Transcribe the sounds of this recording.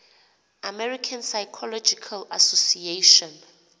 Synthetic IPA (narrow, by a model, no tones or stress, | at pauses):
amɛɹikʰansajkʰɔlɔd͡ʒikʰalasosieʃɔ̃n